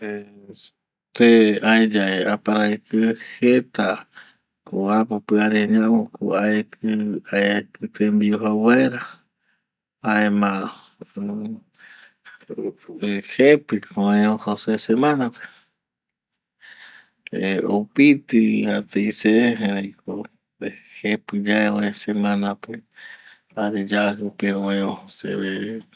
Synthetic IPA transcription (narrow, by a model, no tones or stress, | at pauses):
e | t̪eaed͡ʒaeapaɾaekɨhet̪a | koapopɨaɾeɲãokʰuaekʰɨaekɨt̪embiuɦawaeɾa | aemã | hepɨkõẽohosesemãnãpe̥ | eopit̪ɨhat̪ejseeɾejkʰo | ehepɨd͡ʒaeõẽsemãnãpe | aɾed͡ʒahɨpeõẽõhosḛβe